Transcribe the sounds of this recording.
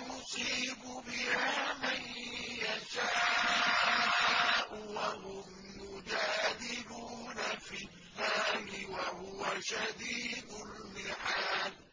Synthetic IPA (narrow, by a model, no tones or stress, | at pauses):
mʊsˤiːbʊbɪhaːmanjaʃaːʔʔaannːɪsaːʔʊwaɦʊmːʊd͡ʒaːd̪ɪbuːnafɪlːaːmɪwahʊwaʃad̪iːd̪ʊlmɪħaːd